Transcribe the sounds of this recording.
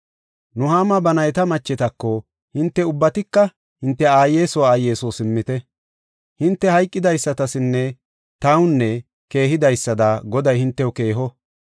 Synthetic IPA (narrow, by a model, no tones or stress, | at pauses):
nʊɦaːmɐbɐnɐjt̪ɐmɐt͡ʃːɛt̪ɐkːɔ | hɪnt̪ːɛʊbːɐt̪ɪkːɐ | hɪnt̪ːɛaːjeːsɔwaaːjeːsɔːsɪmːɪt̪ɛ | hɪnt̪ːɛhɐjkʼːɪd̪ɐjsːɐt̪ɐsɪnːɛ | t̪ɐwʊnːɛ | ke̞ːɦɪd̪ɐjsːɐd̪aɡɔd̪ɐjhɪnt̪ːɛwʊke̞ːɦɔ